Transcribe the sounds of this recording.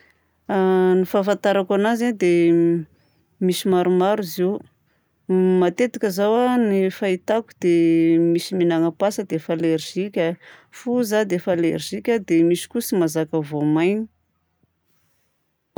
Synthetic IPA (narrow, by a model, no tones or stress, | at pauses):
anifafant̪aɾakanazad̪e | misimaɾumaɾiziw | mat̪et̪akʲəzawanifait̪akud̪emisiminaŋəpasəd̪efalerʒ̥ikʲəfuzad̪efalerʒ̥ikʲəd̪emisi̥kusimazakəvomajni̥